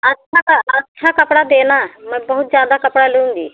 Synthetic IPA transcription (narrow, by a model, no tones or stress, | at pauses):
ətːʃʰakəɐtːʃʰakɐpɽad̪eːnaməbɐɦut̪̚d͡ʒjaːd̪akɐpɽaləũnd̪i